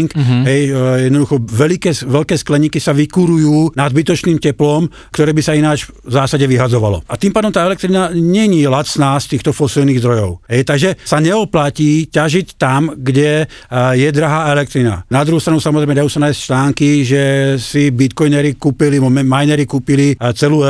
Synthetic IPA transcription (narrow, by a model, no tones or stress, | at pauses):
ŋkɦɛjjɛd̪nɔd̪uxɔʋɛlikɛːsʋɛʎkɛːsklɛɲikisaʋikuɾujuːnad̪bit̪ɔt͡ʃniːmcɛplɔm | kt̪ɔɾɛːbisainaːd͡ʒ | zaːsaɟɛʋiɦazɔʋalɔ̰at̪iːmpaːd̪ɔmt̪aːɛlɛk̚t̪ɾinaɲɛɲilasnaːst̪iːxt̪ɔfɔsilniːɣzd̪ɾɔjɔʊɦɛjt̪aɡʒɛsaɲɛɔplaciːcaʒict̪amɡɟɛ | jɛd̪ɾaɦaːɛlɛk̚t̪ɾina̰nad̪ɾuɦuːst̪ɾanusamɔzɾɛjmɛd̪ajuːsanajɛsct͡ʃlaːŋkiʒɛsibit̪kɔjnɛɾikuːpiliɔmɛmajnɛɾikuːpilit͡sɛluː